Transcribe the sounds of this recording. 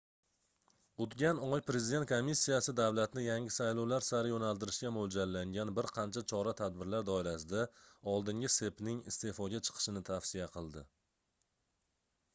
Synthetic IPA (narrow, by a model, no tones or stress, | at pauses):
ʊt̪ɡʲanɒjpɾe̞zid̪ent̪kʰomːisːijasɪd̪avlat̪nɪjaŋɪsajlɒwlaɾsaɾɪjonalt̪ɪɾɪʃkʲamold͡ʒaɾːaŋɡʲanbɪɾqʰɑnt͡ʃʰat͡ʃʰɒɾat̪ʰad̪̚bɪɾlaɾd̪ɒɪɾasɪd̪aɒlˠd̪ɪŋɡʲɪse̞pnɪŋɪ̰st̪e̞fɒɡʲat͡ʃʰɨ̥qʰɨ̥ʃɪnɪt̪ʰafsijaqʰɨlˠd̪ɪ